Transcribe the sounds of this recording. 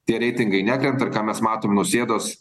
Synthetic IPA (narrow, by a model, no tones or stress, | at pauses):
t̪ʲiɛɾʲɛɪt̪ʲɪŋɡɐɪnʲæːkɾʲɛmʲt̪ɐɾkɑːmʲɛsmɑːt̪oːmnʊsʲeːd̪oːs